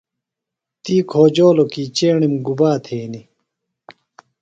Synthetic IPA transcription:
t̪iːkʰoːd͡ʑoːlokiːt͡ɕeːɳimɡubaːt̪ʰeːni

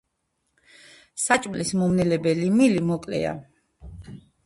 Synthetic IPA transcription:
sat͡ʃʼmlismɔmnɛlɛbɛlimilimɔkʼlɛ̰a̰

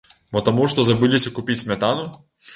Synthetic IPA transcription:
bɔt̪ɐmuʂt̪ɔzɐbɨlʲisʲɐkʊpʲit͡sʲsʲmʲɛt̪anʊ

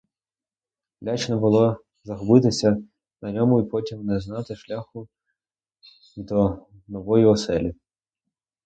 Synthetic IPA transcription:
lʲat͡ʃnɔbʊlˠɔ | zɐɦɔbɪt̪ɪsʲɐ | nɐnʲɔmʊipɔtʲimnɛznɑt̪ɪʃlʲaxʊ | ʋʲid̪ɔ | nɔʋɔjiɔsɛlʲi

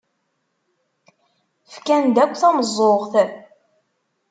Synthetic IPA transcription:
fkænd̪ækʷːθæməzˤːoʁθ

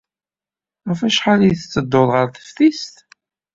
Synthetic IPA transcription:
ʁæfæʃħalijθət͡sːəd̪ːoðˤʁəɾθə̥fθist̪

